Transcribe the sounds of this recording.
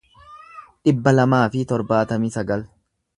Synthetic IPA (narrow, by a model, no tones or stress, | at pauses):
ᶑɪbːɐlɐmaːfɪt̪ɔɾbaːt̪ɐmɪsɐɡɐl